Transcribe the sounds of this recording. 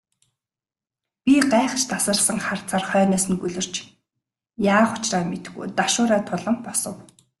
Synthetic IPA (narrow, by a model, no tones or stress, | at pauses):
pʲiɢaːχt͡ɕʰt̪asə̆rsə̆ŋχar̥t͡sʰaːrχœːnœːsɘ̆nɡuɮɵ̆r̥t͡ɕ | jaːχʊ̥t͡ɕraːmet̪̆ɡṵjt̪aʃʊːɾaːt̪ʰʊɮɞ̆mpɔsɞ̆w